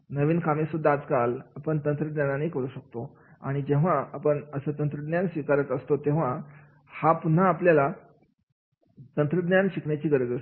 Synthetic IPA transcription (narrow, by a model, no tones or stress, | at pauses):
nəʋiːnkamesud̪ʱːaːd͡zkalapəɳt̪ənt̪ɾəd̪njananekəɾuːɕək̚t̪o | a̰ɽ̃id͡ʑeʋ̤aapəɳəsəːt̪ənt̪ɾəd̪njansʋikaɾət̪əst̪ot̪ẽʋ̤a | hapun̤ːaːpljala | t̪ənt̪ɾəɡ̪njanɕikɳjat͡ɕiːɡəɾəd͡zə